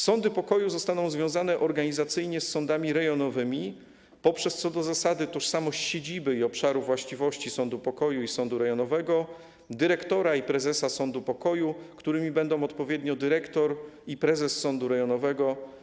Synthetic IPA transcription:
sɔnd̪ɘpɔkɔjuzɔst̪anɔ̃w̃zvʲjɔ̃w̃zanɛʔɔɾɡaɲizat̪sɘjɲɛsːɔ̃nd̪amʲiɾɛjɔnɔvɘmʲi | pɔpʂɛst̪sɔd̪ɔzasad̪ɘt̪ɔʂsamɔɕt͡ɕɕed͡ʑibɘiɔpʂaɾuvwaɕt͡ɕivɔɕt͡ɕisɔnd̪upɔkɔjuisɔnd̪uɾɛjɔnɔvɛɡɔ | d̪ɘɾɛkt̪ɔɾaipɾɛzɛsasɔnd̪upɔkɔjukt̪uɾɘmʲibɛnd̪ɔ̃w̃ɔt̪pɔvʲjɛd̪ɲɔd̪ɘɾɛkt̪ɔɾipɾɛzɛsːɔnd̪uɾɛjɔnɔvɛɡɔ

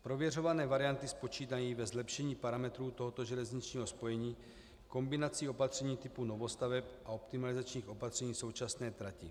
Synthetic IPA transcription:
pɾo̞vjɛro̞vanɛːvaɾɪjant̪ɪspo̞t͡ʃiːt̪̬ajiːvɛzlɛpʃɛɲiːpaɾamɛt̪ɾuːt̪o̞ɦot̪o̞ʒɛlɛzɲit͡ʃɲiːɦo̞spo̞jɛɲiː | ko̞mbɪnat͡siːo̞pat̪r̝̥ɛɲiːt̪ɪpuno̞vo̞st̪avɛpʔao̞pt̪ɪmalɪzat͡ʃɲiːxʔo̞pat̪r̝̥ɛɲiːso̞wt͡ʃasnɛːt̪ɾacɪ̰

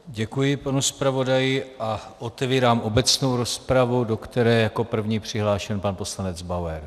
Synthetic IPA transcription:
ɟɛkujɪpanuspɾavo̞dajɪʔaʔot̪ɛviːɾaːmʔo̞bɛt͡sno̞wɾo̞spɾavudo̞kt̪ɛɾɛːjako̞pr̩vɲiːpr̝̥ɪɦlaːʃɛnpanpo̞slanɛd͡zbawɛɾ

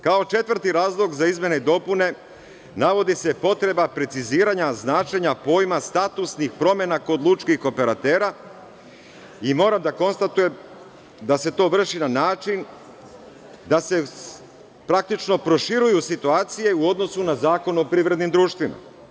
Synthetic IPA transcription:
kao̞t͡ʃe̞t̪ʋɾ̩t̪iɾaːzlˠo̞ɡzaizme̞neid̪o̞pune̞ | naʋo̞d̪isepo̞t̪ɾe̞bapɾe̞t̪siziːɾaɲaznaːt͡ʃe̞ɲapo̞ːjmast̪at̪usnixpɾo̞me̞nako̞d̪lˠut͡ʃkixo̞pe̞ɾat̪eːɾa | imo̞ːɾamd̪ako̞nst̪at̪uje̞m | d̪ase̞t̪o̞ːʋr̩ʃinanaːt͡ʃin | d̪ase̞ | pɾak̚t̪it͡ʃno̞pɾo̞ʃiɾujusit̪uaːt̪sije̞uo̞d̪no̞sunazaːko̞nuopɾivɾed̪nimd̪ɾuːʃt̪ʋima̰

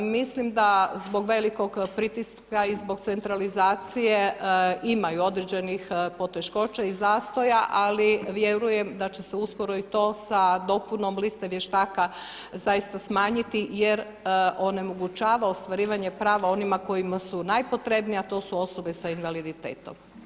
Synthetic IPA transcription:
mislimd̪azbo̞ɡʋe̞liko̞ɡpɾit̪iskaizbo̞ɡt̪se̞nt̪ɾalizaːt̪sijeimajuo̞d̪ɾed͡ʑenixpo̞t̪e̞ʃko̞ːt͡ʃaizaːst̪o̞jaʔaliʋje̞ɾuje̞md̪at͡ɕe̞seusko̞ɾo̞it̪o̞ːsad̪o̞punomlist̪eʋje̞ʃt̪aːka | zajist̪asmaːɲit̪ijeɾ | o̞ne̞mo̞ɡut͡ʃaːʋaost̪ʋaɾiːʋaɲe̞pɾaːʋao̞nimako̞jimasunajpo̞t̪ɾe̞bnijat̪o̞ːsuo̞so̞be̞sainʋalid̪it̪ḛːt̪o̞̰m

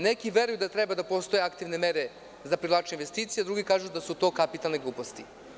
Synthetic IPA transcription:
nekiʋe̞ɾujud̪at̪ɾebad̪apo̞st̪o̞jeakt̪iʋnemeɾe | zapɾilˠaːt͡ʃeinʋe̞st̪iːt̪sijead̪ɾuɡikaːʒud̪asut̪o̞ːkapit̪alneɡlˠuːpost̪i

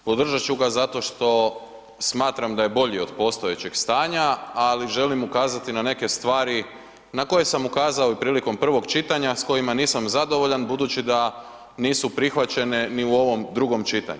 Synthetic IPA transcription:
pod̪r̩ʒat͡ɕuɡazat̪o̞ʃt̪o̞ | smaːt̪ɾamd̪aje̞bo̞ʎio̞d̪po̞st̪o̞je̞t͡ɕeɡst̪aːɲaaliʒe̞limukaːzat̪inane̞ke̞st̪ʋaːɾi | nako̞je̞samukaːzao̞ipɾiːliko̞mpr̩ʋo̞ɡt͡ʃit̪aɲasko̞jimaniːsamzad̪o̞ʋo̞ʎanbud̪ut͡ʃid̪a | niːsupɾixʋat͡ɕe̞ne̞niuo̞ʋo̞md̪ɾuɡo̞mt͡ʃit̪a̰ɲu

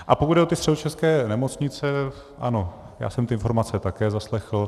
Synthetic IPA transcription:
ʔapokud̪dɛʔot̪ɪst̪r̥ɛdot͡ʃɛskɛːnɛmo̞t͡sɲɪt͡sɛ | ʔa̰no̞ | ja̰ːsɛmt̪ɪʔɪnfo̞ɾmat͡sɛt̪akɛːzaslɛxl̩

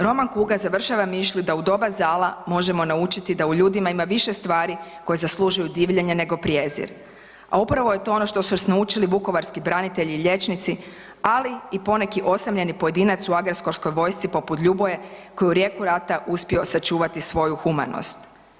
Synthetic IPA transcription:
ɾo̞maŋkuɡazaʋr̩ʃaʋamiʃlid̪aud̪o̞bazaːlˠamo̞ʒe̞mo̞naut͡ʃit̪id̪auʎuːd̪imaimaʋiʃe̞st̪ʋaːɾiko̞jezaslˠuʒujud̪iːʋʎeɲene̞ɡo̞pɾjeːzḭɾ | a̰upɾaʋo̞je̞t̪o̞ono̞ʃt̪o̞susnaut͡ʃiliʋuko̞ʋaɾskibɾanit̪e̞ʎiːʎe̞t͡ʃnit̪si | aliipo̞ne̞kiʔo̞samʎe̞nipo̞je̞d̪iːnat̪suaɡɾesko̞ɾsko̞jʋo̞ːjst̪sipo̞put̪ʎubojeko̞jeuɾje̞kuɾat̪aʔuspio̞sat͡ʃuːʋat̪isʋo̞juxuma̰no̰st̪

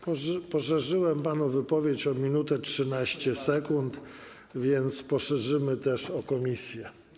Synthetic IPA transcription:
ppɔʂɛʐɘwɛmpanuvɘpɔvʲjet͡ɕɔmʲinut̪ɛtʂɘnaɕt͡ɕɛsɛkunt̪ | vʲjɛnt̪spɔʂɛʐɘmɘt̪ɛʂɔkɔmʲisʲjɛ

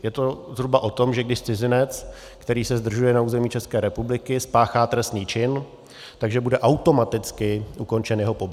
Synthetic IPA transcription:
jɛt̪o̞zɦɾubaʔo̞t̪o̞mʒɛɡdɪʃt͡sɪzɪnɛt͡s | kt̪ɛɾiːsɛzd̪r̩ʒujɛnauːzɛmiːt͡ʃɛskɛːɾɛpublɪkɪspaːxaːt̪ɾɛst̪niːt͡ʃɪn | t̪aɡʒɛbudɛʔawt̪o̞mat̪ɪt͡skɪʔuko̞nt͡ʃɛnjɛɦopo̞bɪ

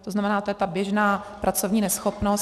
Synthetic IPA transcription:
t̪oznamɛnaːt̪ojɛt̪abjɛʒnaːpɾat͡sovɲiːnɛsxopnos

